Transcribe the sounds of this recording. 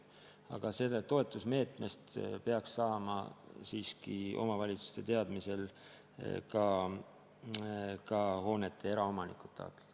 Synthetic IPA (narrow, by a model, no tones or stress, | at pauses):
ɑ̰ɡ̥ɑse̞d̪ɑt̪ːo̞e̞t̪ːˑusme̞ːt̪ˑme̞st̪pe̞ɑksːɑːmɑ̰siːskio̞̰mɑvɑlʲit̪su̥st̪e̞t̪e̞ɑd̪̥mise̞l | kɑ | kɑho̞ːne̞t̪ʰːˑe̞eɾɑo̞mɑnikˑu̥t̪ːˑɑ̰ːt̪ːˑe̥d̥̪